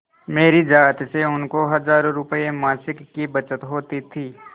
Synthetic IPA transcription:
meːɾid͡ʒaːt̪seʊnkoɦɐzaːɾõɾʊpəemaːsɪkːibɐt͡ʃət̪ɦoːt̪it̪ʰiː

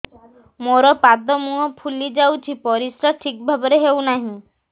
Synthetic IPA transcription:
moɾɔpad̪ɔmuɔpʰulid͡ʒawt͡ʃʰipɔɾisɾɔʈʰik̚bʱabɔɾeɦewnaɦĩ

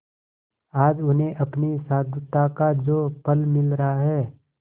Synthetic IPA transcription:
aːd͡ʒʊnẽʔɐpnisaːd̪ʱʊt̪akad͡ʒoːpəlmɪlɾəɦaɦɛː

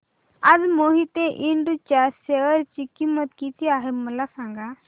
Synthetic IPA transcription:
admoɦit̪eʔiɳɖut͡ʃaseəɾt͡ʃikimət̪kit̪ʰiaːɦeməlasãŋɡa

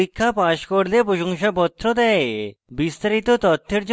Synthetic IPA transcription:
ikʰːapaʃkoɾlepɾoʃoŋʃapɔt̪ːɾod̪ɛebist̪aɾit̪ot̪ɔt̪ʰːeɾd͡ʑ

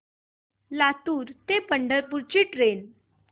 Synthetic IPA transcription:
lat̪uːɾt̪epəɳɖəɾpuɾt͡ɕiːʈɾen

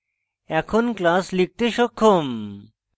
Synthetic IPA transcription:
ɛkʰonklaslik̚t̪eʃokʰːom

